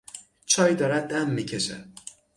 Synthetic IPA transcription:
t͡ʃʰɒːjd̪ɒːɾæd̪̚ːæmːicʰeʃæ̰

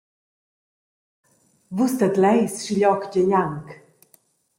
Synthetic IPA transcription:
vust̪at̪lɛjsʃiʎɔkd͡ʑəjaŋk

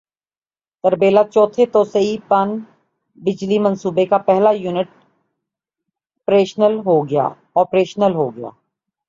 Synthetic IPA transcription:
t̪ɐɾbeːlat͡ʃɔːt̪ʰet̪oːsəipɐn | bɪd͡ʒlimɐ̃nsuːbekapɛɦlajuːnɪʈ̚ | pɾeːʃnəlɦoɡɐja̰ː | ɔːpɾeːʃnəlɦoːɡɐja̰ː

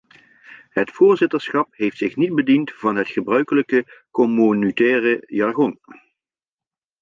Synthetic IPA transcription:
ɦətfʊːɹzɪtəɹsχɑpɦejftsɪχnid̚bədintv̥ɑnɦətχəbrœɥkələkəkomonytɛːrəjɑɹχɔn

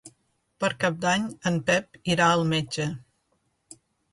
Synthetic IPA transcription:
pəɾkap̚d̪aɲəmpɛp̚iɾaəlˠmed͡ʒə

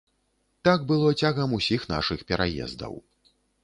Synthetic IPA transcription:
t̪aɡ̚bɨlˠɔt͡sʲaɣɐmusʲixn̪a̰ʂɨxpʲɛɾajɛ̰zd̪ɐ̰w

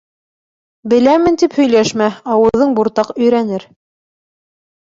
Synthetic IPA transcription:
bɘ̆læmɘ̆nt̪iphɵ̆jlæʃmæɑwɤ̆ðːɤɴbuɾt̪ɑqɵ̆jɾænɘɾ

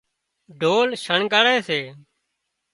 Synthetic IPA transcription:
ɖʱoːlʃəɳɡaɽeːseː

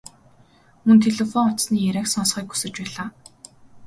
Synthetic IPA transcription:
mɵnt̪ʰeɮĕfɔŋʊt̪sniːjæɾʲæːksɔnsχiːku̥sɘ̆t͡ɕpæːɮaː

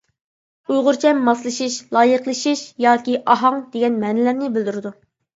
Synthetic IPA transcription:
ujʁʊɾt͡ʃʰɛmːɑslˠɨʃiʃlˠɑːjəqlˠɨʃiʃjɑːkʲiʔɑɦɑŋd̪̥eɡʲɛnmɛːnɪlæɾnɪbɪld̪yɾɪd̪u

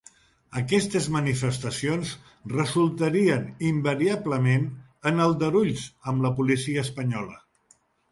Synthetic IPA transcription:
əkɛst̪əzmənifəst̪əsionz | rəzulˠt̪əɾiənimbəɾiabləmen | ənəlˠd̪əɾuʎsəmləpulisiəːspəɲɔlə̰

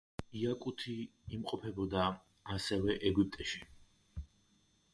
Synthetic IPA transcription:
iakʼut̪ʰiːmqʼɔpʰɛbɔd̪aː | sɛvɛʔɛɡip̚t̪ʼɛʃi

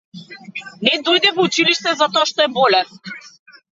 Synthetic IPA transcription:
nɛd̪ɔjd̪ɛvɔut͡ʃiliʃt̪ɛzat̪ɔaʃt̪ɔɛbɔlɛs

